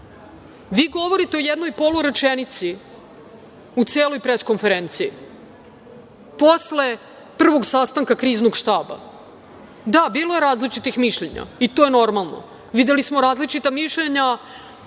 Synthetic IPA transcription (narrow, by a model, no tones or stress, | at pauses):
ʋiːɡo̞ʋo̞ɾit̪eojed̪nojpo̞luɾet͡ʃenit̪si | ut̪seːlo̞jpɾesko̞nfeɾent̪siː | po̞sle̞ | pr̩ʋo̞ɡsast̪aŋkakɾiːznoɡʃt̪aːba̰ | d̪abiːloje̞ɾaːzlit͡ʃit̪ixmiʃʎeɲa̰it̪o̞ːjeno̞ɾmalˠno̰ | ʋid̪elismoɾaːzlit͡ʃit̪amiʃʎeɲa